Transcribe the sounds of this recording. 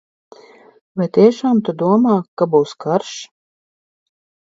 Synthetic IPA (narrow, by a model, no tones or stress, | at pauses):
vajt̪iɛʃaːmt̪ud̪uɔmaːkabuːskaɾʃ